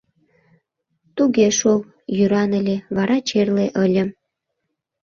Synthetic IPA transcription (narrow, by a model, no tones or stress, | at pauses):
t̪uɣeʃol | jyɾɑnəlʲeβɑɾɑt͡ɕerleʔəlʲə̆m